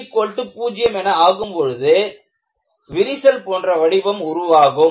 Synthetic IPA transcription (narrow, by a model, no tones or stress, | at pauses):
kːoːɭʈːɯpuːd͡ʒɪjɐmɛnɐaːɣɯmpɔɻɯðɯ | ʋɪɾɪsɐlpoːndrɐʋɐɽɪbɐmʊɾʊʋaːɣɯm